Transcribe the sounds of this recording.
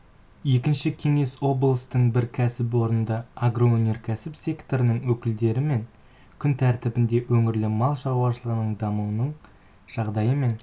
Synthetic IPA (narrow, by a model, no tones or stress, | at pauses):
je̞kʲɪnʃɪkʲʰe̞ŋe̞so̞blˠəst̪əɴbɪɾkʲʰæsɪp̬wo̞ɾnənd̪ɑaɡro̞onʲe̞rkʲʰæsɪpsʲe̞kt̪o̞ɾənəɴwɵkʲɪld̪e̞ɾɪme̞ŋ | kʲʰʏnt̪ʰæɾt̪ɪbɪnd̪e̞wɵŋɪɾlɪmɑlˠʒɑʁwɑʃəlˠəʁənəɴd̪ɑmuwənəɴ | ʒ̥ɑʁd̪ɑjəme̞n